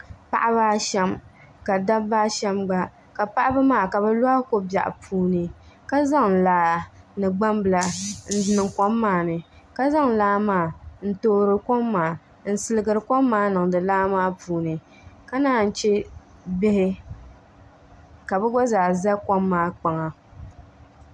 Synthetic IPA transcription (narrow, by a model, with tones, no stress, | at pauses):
pa̰˦ʔa˦baː˦ʃɛ˦m | ka˨da˦bːa˦ʃɛ˦mɡ͡ba˦ | ka˨pa˦ʔa˦bɨ˦maː˦˨ka˨bɛ˦la˦ko˦ba̰˨ʔpʰuː˦nɨ˨ | ka˦za˦ŋ̩˨laː˨nɨ˨ɡ͡ba˦mbɨ˨la˨n̩˦˨nɨ˨ŋkɔ˦mːaː˦˨nɨ˨ | ka˦za˦ŋ˨laː˦maː˦˨n̩˦toː˨ɾɨ˨kɔ˦mːaː˨ | n̩˨sɨ˦lɨ˦ɡɨ˨ɾɨ˨kɔ˦mːaː˦nɨ˨ŋ˨dɨ˨laː˦maː˦pʰuː˨nɨ˨ | ka˦naː˦˨n̩˨t͡ʃɛ˦bɪ˦hɪ˦ | ka˨bɛ˦ɡɔ˦zaː˨za˦kɔ˦mːaː˦k͡pa˨ŋa˨